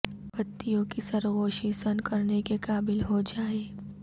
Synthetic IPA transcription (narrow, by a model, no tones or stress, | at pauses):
pɐt̪ːijõkisɐɾɣoːʃisɐnkɐɾnekekaːbɪlɦod͡ʒaːeː